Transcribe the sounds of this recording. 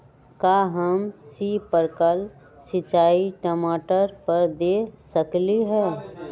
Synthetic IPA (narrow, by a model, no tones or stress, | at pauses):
kaːɦɐmsiːpəɾkəl | sɪt͡ʃaːiʈəmaːʈəɾpəɾd̪eːsəkliɦɛː